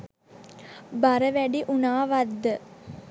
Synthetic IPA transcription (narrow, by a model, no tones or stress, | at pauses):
baɾəʋæɖiʔunaːʋad̪ːə